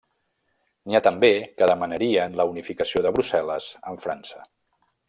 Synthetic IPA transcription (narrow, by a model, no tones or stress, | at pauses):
niat̪əmbekəðəmənəɾiənləunifikəsioðəβɾusɛləzəɱfɾa̰nsə